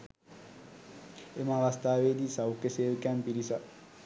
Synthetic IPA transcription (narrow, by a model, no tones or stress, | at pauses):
emaʋast̪aːʋed̪isawukeseːkɛmpiɾisa